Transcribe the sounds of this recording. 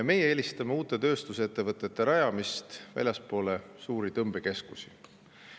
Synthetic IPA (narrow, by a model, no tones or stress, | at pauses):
me̞jeeːlʲist̪ɑmeuːt̪ːˑe̞t̪ø̞ːst̪uset̪ːe̞vɤt̪ˑːe̞t̪ːˑe̞ɾɑjɑmist̪væ̰lʲjɑspo̞ːlesuːɾit̪ɤmb̥eke̞skusi̥